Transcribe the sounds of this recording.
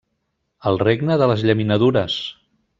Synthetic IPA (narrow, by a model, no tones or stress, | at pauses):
əlˠreɡnəðələzʎəminəðuɾəs